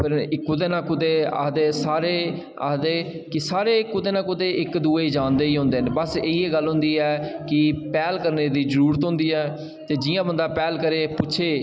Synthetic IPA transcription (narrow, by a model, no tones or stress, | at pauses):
pʰɪɾɪkːʊd̪eːnãːkʊd̪eːa̰ːd̪eːsaːɾeː | a̰ːd̪eː | kɪsaːɾeːkʊd̪eːnãːkʊd̪eːʔɪkd̪uːeːiːd͡ʒãːnd̪eːiːɦõːnd̪eːɦnːbəseːieːɡəlɦʊ̃ːnd̪iːɛːkɪpɛːlkəɾneːd̪iːzəɾuːɾət̪ɦʊ̃nd̪iːɛː | t̪eːd͡ʒɪjãːbənd̪aːpɛːlkəɾeːpʊt͡ʃʰeː